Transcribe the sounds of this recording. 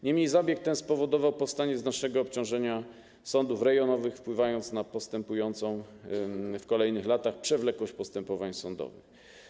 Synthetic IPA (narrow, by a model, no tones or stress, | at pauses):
ɲɛmɲejzabʲjɛk̚t̪ɛnspɔvɔd̪ɔvawpɔfst̪aɲɛznat͡ʂnɛɡɔːpt͡ɕɔ̃w̃ʐɛɲa | sɔnd̪ufɾɛɡjɔnɔvɘxfpwɘvajɔnt̪snapɔst̪ɛmpujɔnt̪sɔ̃w̃ | fkɔlɛjnɘxlat̪axpʂɛvlɛkwɔɕt͡ɕpɔst̪ɛmpɔvaɲsɔnd̪ɔ̰vɘ̰x